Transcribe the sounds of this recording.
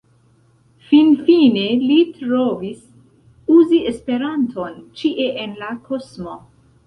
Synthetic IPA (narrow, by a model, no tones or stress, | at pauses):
finfine̞litɾo̞vis | uziʔe̞spe̞ɾantʰo̞nt͡ʃiʔe̞ʔenlakʰosmo̞